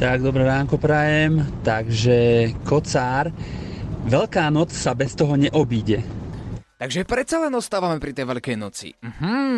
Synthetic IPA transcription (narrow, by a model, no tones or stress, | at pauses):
t̪aɡd̪ɔbɾɛɾaːŋkɔpɾajɛmt̪aɡʒɛkɔt͡saːɾ | ʋɛʎkaːnɔt͡ssabɛst̪ɔɦɔɲɛʔɔbiːɟɛ | t̪aɡʒɛpɾɛt̪t͡salɛnɔst̪aːʋamɛpɾit̪ɛjʋɛʎkɛjnɔt͡sḭm̩ɦ̩